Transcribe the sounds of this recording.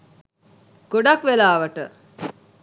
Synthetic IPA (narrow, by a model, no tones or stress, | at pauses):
ɡ̥oɖakʋelaːʋəʈə